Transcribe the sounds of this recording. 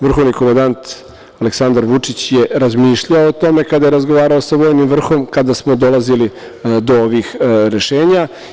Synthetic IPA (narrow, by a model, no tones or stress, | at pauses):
ʋr̩xoʋnikomand̪ant̪ | aleksand̪aɾʋut͡ʂit͡ɕje̞ɾazmiːʃʎaoːt̪o̞me̞kad̪ajeɾazɡo̞ʋaːɾaosaʋo̞ːjnimʋr̩xo̞mkad̪asmo̞d̪o̞lˠazili | d̪o̞oʋixɾe̞ʃeːɲa